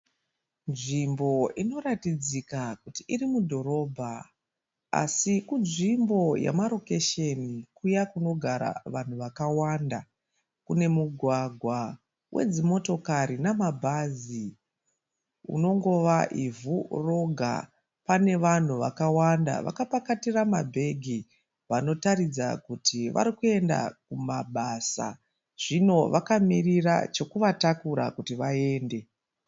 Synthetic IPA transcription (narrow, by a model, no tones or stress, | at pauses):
nʐimbo̞ino̞ɾatid͡zikakutiiɾimudʱo̞ɾo̞bʱa | a̰sikunʐimbo̞ja̰maɾo̞keʃe̞nikujakuno̞ɡʱaɾa̰ʋan̤uʋakawanda | kune̞muɡʱwaɡʱwa | wʔe̞̰d͡zimo̞to̞kaɾinamabʱazi | ṵno̞ŋɡo̞ʋaʔivuro̞ɡʱa̰ | pane̞ʋan̤uʋa̰kawanda̰ʋa̰kapakatiramabʱe̞ɡʱi | ʋano̞taɾid͡zakutʰiʋa̰ɾikue̞nda̰kumaɓasa̰ | ʐ̥ino̞ʋakamirira̰t͡ʃo̞kuʋatakuɾa̰kutiʋae̞ːnde̞